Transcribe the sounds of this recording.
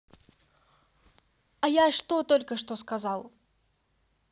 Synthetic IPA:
ɐjaʂt̪o̞t̪olʲkəʂt̪oskɐzɑlˠ

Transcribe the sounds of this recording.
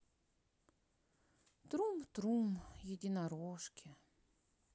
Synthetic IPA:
t̪ɾumt̪ɾumjɪdʲɪnɐɾoʂkʲɪ

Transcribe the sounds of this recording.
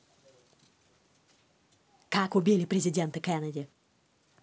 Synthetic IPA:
kakʊbʲilʲɪpɾʲɪzʲɪdʲent̪ɨkɛnədʲɪ

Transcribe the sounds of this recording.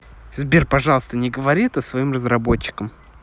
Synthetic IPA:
zbʲirpɐʐɑlˠəst̪ənʲɪɡəvɐɾʲit̪əsvɐimrəzɾɐbo̞t͡ɕːɪ̥kəm

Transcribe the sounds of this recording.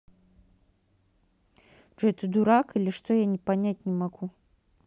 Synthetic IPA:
ʐɛt̪ɨd̪uɾakɨlʲɪʂt̪ojanʲɪpanʲat̚ʲnʲɪmɐɡu

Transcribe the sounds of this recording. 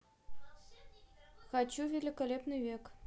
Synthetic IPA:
xɑt͡ɕːuvʲelʲikalʲepnɨjvʲek

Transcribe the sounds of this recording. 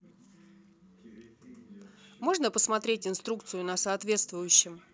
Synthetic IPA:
mo̞ʐnəpəsmɐt̪ɾʲetʲɪnst̪ɾuk̚t̪sɨjʊnəsɐːt̪vʲe̞t̪st̪vʊjʉɕːɪm

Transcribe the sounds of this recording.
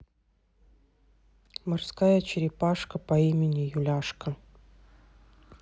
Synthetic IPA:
mɐrskajɐt͡ɕɪɾʲɪpaʂkəpɐimʲɪnʲijulʲaʂkə

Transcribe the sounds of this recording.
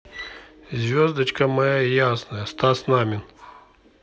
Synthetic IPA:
zʲvʲozd̪ɐt͡ɕkəmɐjajasnəjəst̪asnamʲɪn

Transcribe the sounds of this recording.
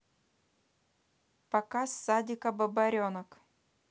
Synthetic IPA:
pɐkasːad̪ʲɪkɐbɐbɐɾʲonɐk

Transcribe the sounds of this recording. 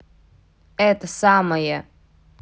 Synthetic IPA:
ɛːt̪ɐsaːmɐjɐ

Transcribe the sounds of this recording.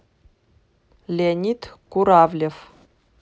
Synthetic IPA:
lʲeanʲit̪kuɾavlʲef

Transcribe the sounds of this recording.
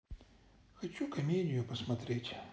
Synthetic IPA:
xɐt͡ɕukɐmʲedʲɪjʊpəsmɐt̪ɾʲetʲ

